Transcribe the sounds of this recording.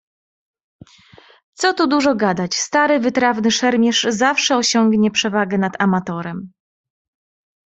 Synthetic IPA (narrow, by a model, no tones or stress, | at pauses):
t̪sɔt̪ud̪uʐɔɡad̪at͡ɕst̪aɾɘvɘt̪ɾavnɘʂɛɾmʲjɛʂzafʂɛɔɕɔŋɡɲɛpʂɛvaɡɛnat̪amat̪ɔɾɛm